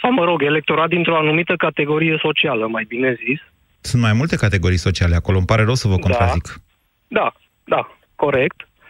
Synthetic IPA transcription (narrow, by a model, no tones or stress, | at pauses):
aməɾo̞ɡe̞le̞k̚t̪o̞ɾat̪̚d̪int̪ɾo̞anumit̪əkat̪e̞ɡo̞ɾije̞so̞t͡ʃialəmajbine̞zis | sunt̪majmult̪e̞kat̪e̞ɡo̞ɾijso̞t͡ʃiale̞ako̞lo̞mpaɾe̞ɾəwsəvəkkonɾazik | d̪a | d̪a | ko̞ɾek̚t̪